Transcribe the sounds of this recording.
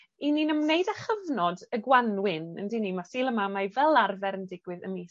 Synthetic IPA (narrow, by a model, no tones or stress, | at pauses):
iniːnəmnejdaχəvnɔdəɡwanwɪnə̰ndinimasiːlˠəmamajvɛlˠarvɛɾəndɪɡwɨðə̰miː